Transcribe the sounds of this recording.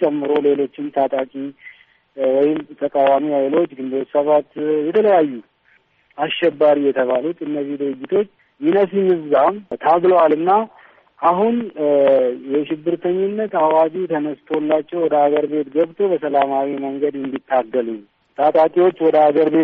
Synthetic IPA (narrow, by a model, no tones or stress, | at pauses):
t͡ʃʼɛmːɨɾo̞le̞lo̞t͡ʃːɪnt̪ʰat̪ʼakʼi | wɔjɪmt̪ʰəkʼawamiajlo̞t͡ʃːɡɨnd̪səβat̪jɛt̪ʰələjajːu | asʃɛbːaɾijɛt̪ʰəβalut̪ɨnːəzːihd̪ɨɾɨd͡ʒːɪt̪ʰo̞t͡ʃː | jɪnəs̬imɨzːamt̪ʰaɡləwalɨnːa | ʔaɦun | jɛʃɪbːɨɾt̪ʰəɲːɪnːət̪awad͡ʒit̪ʰənəst̪ʰolːat͡ʃːɛwɔd̪əhaɡəɾbe̞t̪ɡəβt̪ʰo̞bəsəlamawiməŋɡəd̪ɛnd̪it̪ʰːaɡːəlu | t̪ʰat̪ʼakʼiwo̞t͡ʃːwɔd̪əhaɡəɾbe̞